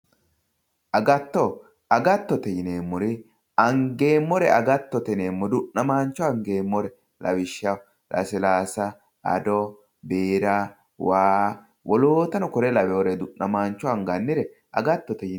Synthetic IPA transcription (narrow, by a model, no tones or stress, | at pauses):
ʔɐɡɐt̪ːɔ | ɐɡɐt̪ːɔt̪ɛjɪneːmːɔɾɪ | ɐŋɡe̞ːmːɔɾɛ̰ɐɡɐt̪ːɔt̪ɛneːmːɔd̪ʊʔnɐmaːnt͡ʃːɔɐŋɡe̞ːmːɔɾɛ | lɐ̰wɪʃːɐ | lʔɐ̰sɪlaːsɐ | ɐ̰d̪ɔ | beːɾɐ | waː | wɔloːt̪ɐnɔkɔɾɛlɐwɛwɔɾɛd̪ʊʔnɐmaːnt͡ʃːɔɐŋɡɐnːɪɾɛ | ʔɐ̰ɡɐt̪ːɔt̪ɛjɪ